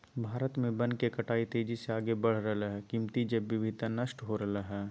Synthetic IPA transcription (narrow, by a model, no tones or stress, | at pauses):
bʱaːɾət̪mẽbɐ̃nkekɐʈaːit̪eːd͡ʒiseaːɡebɐɽ̤ɾɐɦaɦɛkimt̪id͡ʒɐbʋɪʋʱɪd̪ʱnɐʃʈɦoɾɐɦaɦɛː